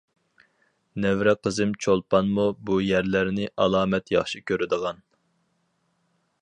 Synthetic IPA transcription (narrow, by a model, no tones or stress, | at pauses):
nɛvɾɛqʰəzɨmt͡ʃʰolˠpɑnmubujæɾlæɾnɪʔɑlˠɑːmɛt̪jɑχʃikʲʰøɾɪd̪əʁɑn